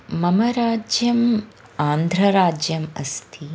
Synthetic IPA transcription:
mɐmɐɾaːd͡ʒjɐm | aːnd̪ʱɾɐɾaːd͡ʒjɐmɐ̰st̪ʰi

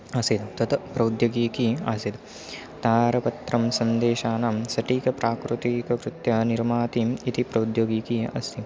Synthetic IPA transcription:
ɐsit̪t̪ɐt̪pɾɐwd̪joːɡiːkiɐ̰sit̪ | t̪aːɾɐpɐt̪ɾɐmsɐnd̪eːʃaːnamsɐʈiːkɐpɾaːkɾut̪iːkɐkɾut̪jɐniɾmaːt̪iit̪ipɾɐud̪joɡiːkiɐ̰st̪ʰi

